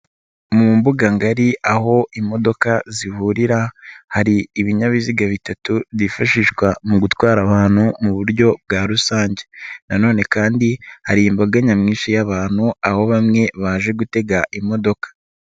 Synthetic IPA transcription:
mumbuɡaŋɡaɾiʔaɦo̞ʔimo̞do̞kazihuɾiɾahaɾiːβiɲaβiziɡaβitatuβzifaʃiʃkwamuɡutwaːɾaβaːnhumuβuɾɟo̞bɡaːɾusaːɲɟe̞nano̞ːne̞kaːndihaɾiːmbaɡaɲamŋiːnʃijaβaːn̥huaho̞βamŋe̞βaːʒe̞ɡute̞ɡaʔimo̞do̞kḁ

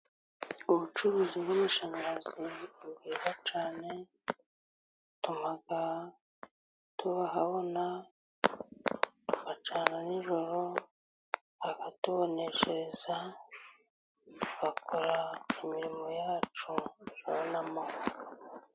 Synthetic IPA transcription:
uβut͡ʃuɾuziβumiʃaŋaziuβiːβat͡ʃaːne̞ | tumaɡa | tʰuβaɦaβo̞na | tukat͡ʃaːnaniʒo̞ɾo | hakatuβoneʃeza | uβakʰoɾaemiɾimo̞jaːt͡ʃuʒaβnamo

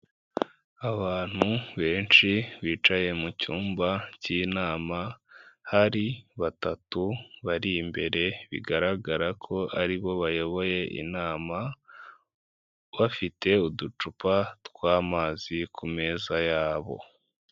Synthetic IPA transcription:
aβaːn̥huβe̞ːnt͡ʃiβiːt͡ʃaje̞mucuːmbaciːnaːmahaɾiβatatuβaɾimbe̞ɾe̞βḭɡaɾaɡaɾakʰo̞ʔaɾiβo̞βajo̞βo̞je̞ʔḭnaːma | βafite̞udut͡ʃupatkwaːmaːzikume̞ːzajaːβo̞̰

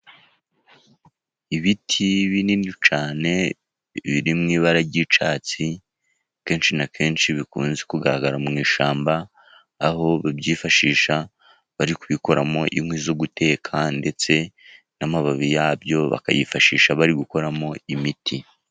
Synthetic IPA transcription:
iβitʰiβininut͡ʃaːne̞ | βiɾimŋiːβaɾaɟiːt͡ʃaːt͡si | ke̞ːnʃinakʰe̞ːnʃiβikṵːnzekuɡaɾaɡaɾamŋiːʃaːmbaː | ho̞βabjiːfaʃiːʃa | βaɾikuβiko̞ɾamo̞ʔiŋwizoɡute̞ːkʰande̞t͡se̞ | namaβaβijaːbjo̞βa̰ka̰jifaʃiːʃaβaɾiɡuko̞ɾamo̞imitʰi

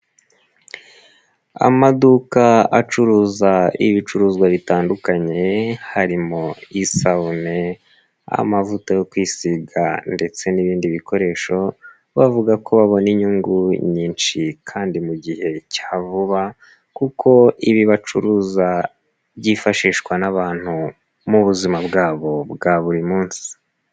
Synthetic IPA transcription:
a̰madukaat͡ʃuɾuːzaiβit͡ʃuɾuːzɡwaβitaːndukaɲe̞haɾimoisaune | a̰a̰mavutajo̞kwiːsiɡa̰nde̞t͡se̞niβiːndiβikʰo̞ɾe̞ːʃo̞ | βavuɡakʰo̞βaβo̞niɲuŋɡuɲiːnt͡ʃikʰaːndimuɟihe̞cḁːvuβa | kukʰo̞iβiβat͡ʃṵɾuːza | βɟifaʃiːʃkwanaβaːn̥hu | muβuzimabɡaːβo̞bɡaβuɾimuːnsi̥

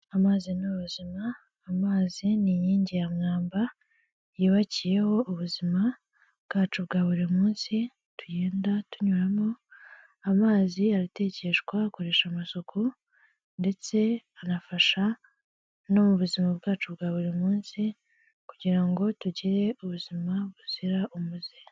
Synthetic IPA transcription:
amaːzinuβuzimaː | maːziniɲiːɲɟijamŋaːmba | jiːβacije̞ho̞ʔuβuzima | bɡ̥aːt͡ʃubɡaːβuɾimuːnsi | tujeːndatuɲuɾamo̞ | amaːziaɾite̞ːce̞ʃɡwako̞ɾe̞ːʃamasokʰu | nde̞t͡se̞anafaʃa | no̞muβuzimaβɡaːt͡ʃubɡaːβuɾimuːnsi | kuɟiɾaŋɡo̞tuɟiɾe̞uβuzimaβuz̥iɾaʔumuze

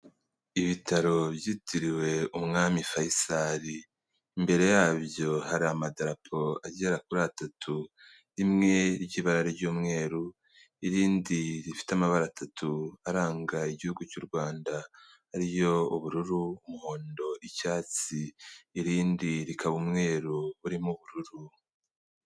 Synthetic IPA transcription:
iβitaɾo̞bjiːtʰiɾiwe̞umŋaːmifajisaɾiː | mbe̞ɾe̞jaːβjo̞haɾiamadaɾapʰo̞aɟeɾakuɾaːtatʰu | ɾimŋe̞ɾɟiβaɾaɾeɾɟuːmŋe̞ːɾu | iɾiːndiɾifi̥tamaβaɾaːtatʰuaɾaːŋɡaiɟihuɡucuːɾɡwaːnda | hːɾijo̞uβuɾuɾuumuho̞ːndo̞ʔicaːt͡siːɾiːndiɾikʰaβumŋe̞ːɾuβuɾimuβuɾuɾu

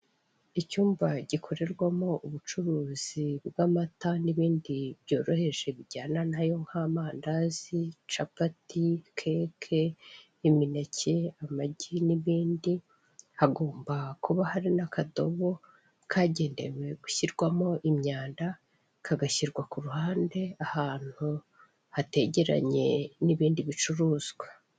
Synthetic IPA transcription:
icuːmbaɟikʰo̞ɾe̞ɾɡwamo̞ʔuβut͡ʃuɾuːz̥ibɡamataniβiːndibjo̞ːɾo̞he̞ʒe̞βiɟaːnanajo̞ŋhaːmaːndazit͡ʃapatikʰekʰe | iminacʰe̞amaɟiniβiːndi | haɡo̞ːmbakuβahaɾinakʰado̞βo̞ | kʰaːɟe̞ːnde̞̰we̞ɡ̥uçiɾɡwamo̞ʔimɲaːnda | kʰaɡaçiɾɡwakuɾuhaːnde̞ahaːn̥hu | hate̞ɟe̞ɾa̰ɲe̞niβiːndiβit͡ʃuɾuːz̥ɡwa

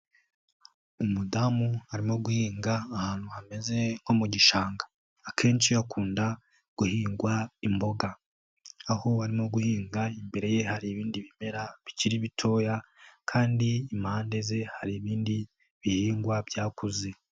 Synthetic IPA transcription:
umudamuhaɾimo̞ɡuhiːŋɡaːhaːn̥huhame̞ze̞ŋ̥ho̞muɟiʃaːŋɡḁː | kʰe̞ːnʃiakʰuːnda | ɡ̥uhiːŋɡwaimbo̞ɡaː | ho̞aɾimoɡuhiːŋɡaimbe̞ɾe̞je̞haɾiːβiːndiβime̞ɾaβiciɾiβitʰo̞ːjakʰaːndiːmaːnde̞ze̞haɾiβiːndi | βihiːŋɡwabjaːkuze

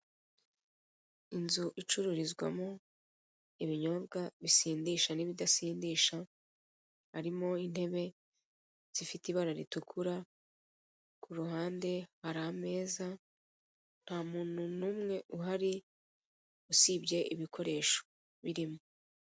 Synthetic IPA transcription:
inzuʔit͡ʃuɾuɾizɡwa̰mo | iβiɲo̞βɡaβisiːndiʃaniβidasiːndiːʃa | haɾimo̞in̥he̞βe̞ | z̥ifitiβaɾaɾitukʰuɾa | kuɾuɦaːnde̞haɾame̞ːza | n̥haːmuːn̥hunuːmŋe̞ʔuɦaɾi | usibɟe̞ʔiβikʰo̞ɾe̞ːʃo̥ | βiɾimo

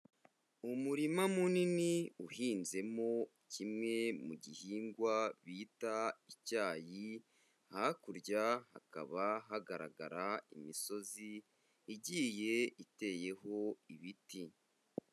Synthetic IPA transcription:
umuɾimamuniniuhiːnze̞mo̞ | cʰimŋe̞muɟihiːŋɡwaβiːtaicaːji | hakuɾɟaha̰ka̰βaɦaɡaɾa̰ɡa̰ɾaḭmiso̞ziː | ɟiːje̞ite̞ːje̞ɦo̞iβiti

